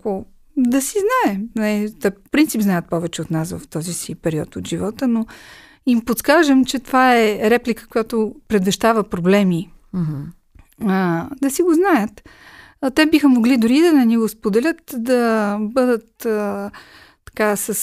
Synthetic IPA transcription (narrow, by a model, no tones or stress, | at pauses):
ko | d̪ɐsiznaɛnɛt̪ɛppɾint̪sipznajət̪̚pɔvɛt͡ʃɛot̪nasvɐ̰ft̪ɔzisipɛɾiɔ̰t̪ot̪ʒivɔt̪əno | impot̪skaʒəmt͡ʃɛt̪ovaɛɾɛplikə̥kojat̪opɾɛd̪vɛʃt̪avəpɾoblɛmi | d̪ɐsiɡoznajət̪ | t̪ɛbixəmoɡlid̪ʊɾid̪ɐnɛniɡospod̪ɛlʲət̪d̪ɐbɤd̪ət̪ | ɐ̥kasəs